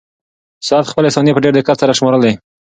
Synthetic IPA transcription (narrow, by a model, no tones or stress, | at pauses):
sʊat̪xpəleɪsɑnijepəɖeɾd̪ɪkat̪saɾaʃmoɾəld̪e